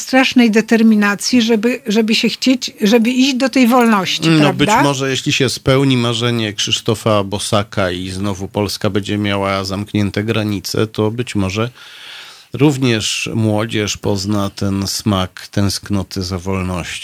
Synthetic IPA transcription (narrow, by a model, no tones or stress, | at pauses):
st̪ɾaʂnɛjd̪ɛt̪ɛɾmʲinat̪sʲjiʐɛbɘʐɛbɘɕɛxt͡ɕet͡ɕʐɛbɘiʑd͡ʑd̪ɔt̪ɛjvɔlnɔɕt͡ɕinɾɔavbɘd̪amɔʐɛjeɕlʲiɕɛspɛwɲimaʐɛɲɛkʂɘʂt̪ɔfabɔsakʰaiznɔvupɔlskabɛd͡ʑɛmʲjawazamkɲɛnt̪ɛɡɾaɲit̪sɛ̰t̪ɔbɘt͡ɕmɔʐɛ | ɾuvɲɛʂmwɔd͡ʑɛʂpɔznat̪ɛnsmakt̪ɛ̃w̃sknɔt̪ʰɘzavɔlnɔɕt͡ɕ